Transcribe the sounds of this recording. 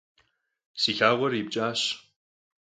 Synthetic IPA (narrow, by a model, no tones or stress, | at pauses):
sixaːʁʷɔɾiːb̚t͡ʃʼaːɕ